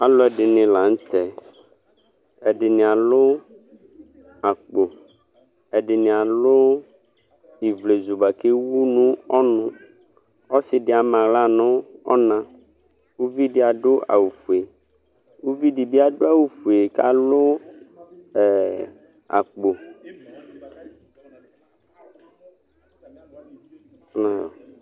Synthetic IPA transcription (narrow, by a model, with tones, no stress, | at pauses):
a˨lɔ˦ɛ˨dɪ˨nɪ̃˨la˨ŋ̩˦t̪ɛ˨ | ɛ˨ɖɪ˨nɪ̃˨a˨lʊ˦ | a˨k͡po˨ | ɛ˨ɖɪ˨nɪ̃˨a˨lʊ˦ | i˨vle˨zu˨ba˨ke˦wu˦nũ˦ɔ˦nʊ̃˦ | ɔ˦sɪ˨dɪ˨˦a˨mã˨ɣla˦nʊ̃˦ɔ˦nã˦ | u˦vi˦dɪ˦a˨dʊ˦ʔa̰˨wu˨fu˨e˨ | u˦vi˦dɪ˨bɪ˦a˨dʊ˦a˦˨wu˨fu˨e˨ka̰˦lʊ˦˨ | a̰˨k͡po˨˦ | nã˦jɔ̰˨